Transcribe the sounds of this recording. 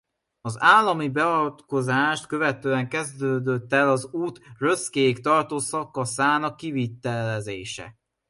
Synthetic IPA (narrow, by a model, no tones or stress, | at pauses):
ɒzaːlːɒmibɛɒt̪ko̞zaːʃt̪kø̞vɛt̪ːøːɛŋkɛzd̪øːd̪ø̞t̪ːɛlɒzuːt̪røskeːkt̪ɒrt̪oːsɒkːɒsaːnɒkːivit̪ːɛlɛzeːʃɛ̰